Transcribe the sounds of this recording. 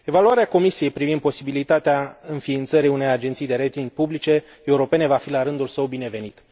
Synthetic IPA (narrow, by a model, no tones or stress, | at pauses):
e̞valuaɾeako̞misije̞jpɾivind̪po̞sibilit̪at̪eaɨnfiːnt̪səɾijune̞jad͡ʒe̞nt̪sijd̪e̞ɾejt̪iŋɡ̚publit͡ʃe̞ | euɾo̞pe̞ne̞vafilaɾɨnd̪ulsəwbine̞ve̞nit̪